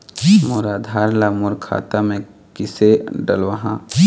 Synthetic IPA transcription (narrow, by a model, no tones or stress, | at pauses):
moːɾad̪ʱaːɾlamʊɾkʰa̰ːt̪amẽ | kɪseɖə̰lʋəɦã